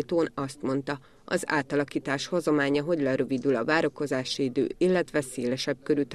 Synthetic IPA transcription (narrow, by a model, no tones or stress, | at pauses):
t̪oːnɒst̪mo̞n̪t̪ɒ | ɒ̰za̰ːt̪ɒlɒkiːt̪aːʃhozɒmaːɲɒɦo̞ɟlɛɾøvid̪ylɒvaːɾo̞ko̞zaːʃid̪ø̰ːilːɛt̪ʋɛseːlɛʃɛb̚køɾyt̪